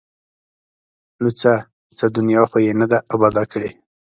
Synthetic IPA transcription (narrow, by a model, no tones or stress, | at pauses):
nut͡sa | t͡səd̪ʊnjɑxojenad̪aʔabɑd̪ɑkəɽe